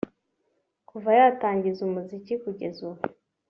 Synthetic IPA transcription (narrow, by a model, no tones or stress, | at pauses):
kuvajaːtaːɲɟizumuzicikuɟe̞zu